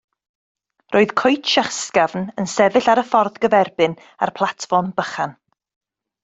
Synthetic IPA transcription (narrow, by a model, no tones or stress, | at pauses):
rʔoːɨðkʰɔjtʰʃəχskavnənsɛvɨɬaɾəfɔrðɡəvɛrbɨn | a̰rpʰlˠatfɔrmbəχan